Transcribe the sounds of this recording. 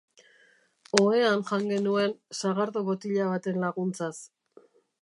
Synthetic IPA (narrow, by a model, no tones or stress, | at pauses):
o̞e̞anʝaŋɡe̞nue̞nsaɣaɾðoβot̪iʎaβat̪e̞nlaɣunt͡sas